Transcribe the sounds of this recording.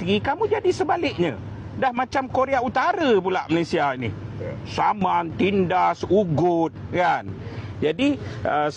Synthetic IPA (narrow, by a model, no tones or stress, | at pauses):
ɡikamũd͡ʒadisəbalɪʔ̚ɲã̰ | dahmat͡ʃamkoɾeaut̪aɾəp̬ulaʔməlesiainisamant̪indasuɡʊt̪̚kand͡ʒadiə